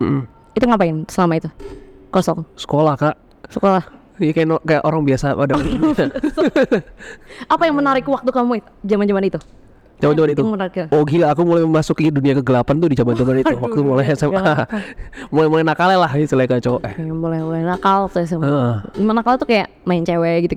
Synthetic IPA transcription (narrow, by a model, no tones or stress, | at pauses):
m̩ʔm̩ | it̪uŋapaɪnsəlamait̪ukosɔŋsə̥kolahkaʔ | səkolah | jakajanokajaʔoɾaŋbiasaadaa | apajaŋmənaɾɪkwak̚t̪ukamui | d͡ʒamand͡ʒamanit̪u | t͡ʃawɛd͡ʒamanit̪umənaɾkoɡilaːkumulajəmasʊkiduniakəɡəlapant̪udid͡ʒamand͡ʒamanit̪uwakt̪umolɛsaa | molɛhmolɛhnakalɛlahsilajkajat͡ʃoʔɛamolɛhbolɛhnakalt̪as̬aməd͡ʒimanakalt̪ukajaʔmaɪnt͡ʃewɛɡit̪u